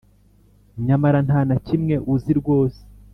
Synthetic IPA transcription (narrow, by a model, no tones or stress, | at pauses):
ɲamaɾan̥aːnacimŋe̞ʔuziɾɡwo̞ːse̥